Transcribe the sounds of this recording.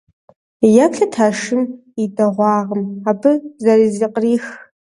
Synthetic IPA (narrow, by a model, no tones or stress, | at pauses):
japɬatʰaːʂɨm | idʼaʁʷɑːʁəmabʰɨzaɾiziqʼriːx